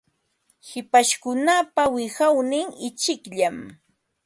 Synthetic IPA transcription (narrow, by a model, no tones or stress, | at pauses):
hɪpaʃkʊnapawɪhawnɪŋɪt͡ʃɪkʎam